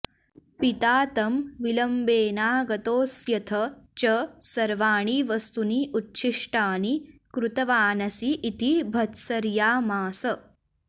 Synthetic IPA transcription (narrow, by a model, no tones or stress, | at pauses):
pit̪aːt̪ɐmʋilɐmbeːnaːɡɐt̪oːsjɐt̪ʰɐt͡ʃɐsɐɾʋaːɳ̃iʋɐst̪uniːʔutːɕʰiʂʈaːnikɾut̪ɐʋaːnɐsiʔːt̪ibʱɐt̪sɐɾjaːmaːsɐ